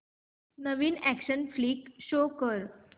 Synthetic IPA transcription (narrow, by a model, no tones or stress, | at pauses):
nəʋiːnækɕənfliːkɕokəɾ